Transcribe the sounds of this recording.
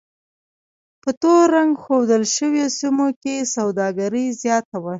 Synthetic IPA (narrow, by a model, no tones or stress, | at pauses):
pət̪oɾaŋɡxod̪əlʃəwjosimokesawd̪ɑɡaɾəjzjɑt̪awa